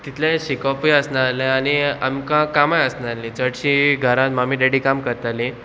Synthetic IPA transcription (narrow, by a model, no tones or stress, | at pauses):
t̪it̪ʰlẽɕikɔfiəsnaɾlẽañia̰mkãkamajəsnalːĩt͡səɽɕiɡʱəɾãt̪mamiːɖeɽikamkəɾt̪alĩ